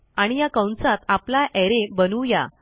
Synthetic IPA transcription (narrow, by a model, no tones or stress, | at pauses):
aɽ̃ijakə̃wnt͡sat̪aplaʔɛɾebənuːja̰